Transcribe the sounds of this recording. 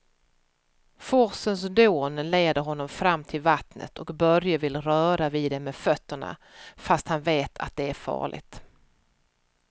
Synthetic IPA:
fɔɾsəns̬d̪oːnleːd̪əɾɦɔnːɔmfɾamːt̪ʰɪlvat̪nə̰t̪ʰɔkbœɾjəvɪlɾœːɾaviːd̪ɛmːeːfœt̪ːəɳa̰ | fast̪hanveːt̪ʰa̰t̪̚d̪ɛæɾfɑ̰ːɭɪ̰ɡ̚t̪

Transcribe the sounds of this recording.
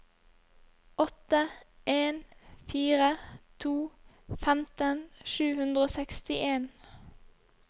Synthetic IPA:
ʔɔt̪əʔeːnfiːʁət̪ʰuː | fæmt̪ənʃʉːhʉnd̪ʁəoːsɛkst̪ɪʔeːn

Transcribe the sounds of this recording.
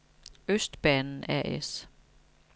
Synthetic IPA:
øsd̥b̥ɛnn̩æɐ̰ʔes

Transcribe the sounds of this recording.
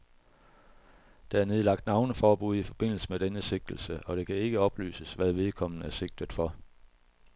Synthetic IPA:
d̥ɑ̈æɐne̝ð̞̩ˠlɑ̈ɡ̥̚d̥nɑ̈ʊnəfɒːb̥uð̞ˠifɒ̽b̥e̝n̰l̩səmed̥enəse̝ɡ̥̚d̥l̩səʔɒ̽ɾ̥e̝kʰæe̝ɡ̥əɒ̽b̥ly̰ːsəsʋæð̞ˠʋe̝ðˠkʰɒ̽m̰n̩æɐse̝ɡ̥̚d̥ð̩ˠfɒ̽

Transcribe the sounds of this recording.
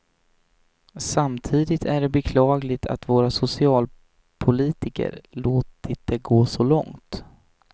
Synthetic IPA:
samt̪ʰiːd̪ɪt̪ʰæɖɛbɛkʰlɑːɡlɪt̪ʰa̰t̪voːɾasʊsɪɑːl | pʰʊliːt̪ɪkə̰ɾloːt̪ɪt̪əɡoːsɔlɔ̰ŋt̪

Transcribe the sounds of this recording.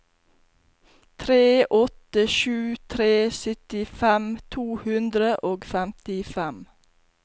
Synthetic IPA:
t̪ʰɾeːʔɔt̪əʃʉːt̪ʰɾeːsʏt̪ɪfɛmt̪ʰuːhʉnd̪ɾəʔoːɡfæmt̪ɪfæm

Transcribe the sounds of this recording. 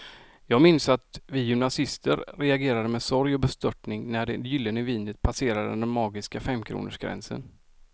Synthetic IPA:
jɑːɡmɪnsat̪vɪjʏmnasɪst̪əɾɾɛaɡeːɾad̪əmɛsɔɾjɔbɛst̪œʈɳɪŋnæɖɛjʏlːənəviːnət̪̚pʰaseːɾad̪ə̰d̪ɛnmːɑːɡɪskafɛmːkʰɾṵːnə̰ʂɡ̥ɾɛ̰nsə̰n

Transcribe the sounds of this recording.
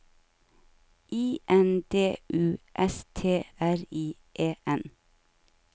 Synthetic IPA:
ʔiːʔɛnd̪eːʔʉːʔɛst̪ʰeːæɾiː | ʔeːʔɛn

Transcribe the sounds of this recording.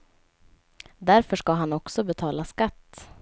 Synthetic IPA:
d̪æɾfœʂkaɦanɔksɔbɛt̪ʰɑːlaskat̪ː

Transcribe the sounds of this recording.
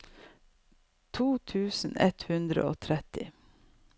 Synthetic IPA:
t̪ʰuːt̪ʰʉːsn̩ɛt̪hʉnd̪ɾə̰ʔoːt̪ʰɾɛt̪ɪ

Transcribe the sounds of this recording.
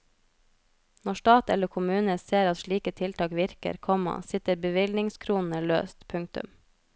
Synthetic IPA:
nɔʃt̪ɑːt̪ɛ̰ləkʰʊmʉːnəseːɾɑt̪ʃɭiːkət̪ʰɪlt̪ʰɑːkʋɪɾkə̰ɾkʰɔmɑ̰sɪt̪əɾbəʋɪlnɪŋskʰɾuːnn̩əlø̰ːst̪pʰʉŋk̚t̪ʉ̰m

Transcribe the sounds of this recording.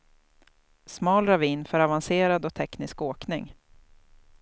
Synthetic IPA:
smɑːlɾaviːnfœɾavanseːɾad̪ɔkt̪ʰɛknɪskoːknɪŋ

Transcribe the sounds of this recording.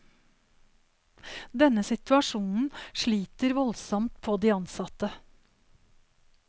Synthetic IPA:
d̪ɛnəsɪt̪ʉɑʂuːnn̩ʂɭiːt̪əɾʋɔlsɔmt̪̚pʰoːd̪iːɑnsɑt̪ə

